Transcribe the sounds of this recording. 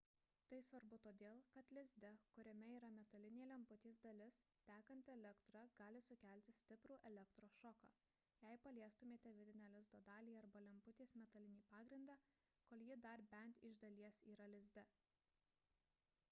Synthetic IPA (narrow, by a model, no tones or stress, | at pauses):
t̪ɐɪsʋɐɾbʊt̪oːd̪ʲeːlˠkɐt̪lʲɪzʲd̪ʲɛkʊɾʲɛmʲɛiːɾɐmʲɛt̪ɐlʲɪnʲeːlʲɛmpʊt̪ʲiːsd̪ɐlʲɪs | t̪ʲæːkɐnʲt̪ʲɛlʲɛkt̪ɾɐɡɑːlʲɪsʊkʲæˑlʲt̪ʲɪsʲt̪ʲɪpɾuːʔɛlʲɛkt̪ɾoːsʃɔkɑ̰ː | jɛɪpɐlʲiɛst̪ʊmʲeːt̪ʲɛʋʲɪd̪ʲɪnʲɛːlʲɪzd̪oːd̪ɑːlʲiːɐɾbɐlʲɛmpʊt̪ʲiːsmʲɛt̪ɐlʲɪnʲiːpɑːɡɾʲɪnd̪ɑː | koːlʲˠjɪd̪ɐɾbʲɛnʲt̪ʲɪʒd̪ɐlʲiɛsiːɾɐlʲɪzʲd̪ʲɛ